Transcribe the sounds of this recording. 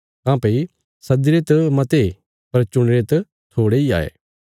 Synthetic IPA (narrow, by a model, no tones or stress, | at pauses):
kãːpɐi | sɐd̪ɪɾet̪ɐmɐt̪e | pɐɾt͡ʃʊɽ̃ɾet̪ɐ | t̪ʰoːɽeia̰ːḛː